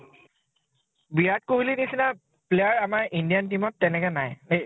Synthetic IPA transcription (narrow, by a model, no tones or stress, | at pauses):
biɹat̚koɦulinisina | plejaɹamaɹʔindijantimɔtːɛnɛkɛnajne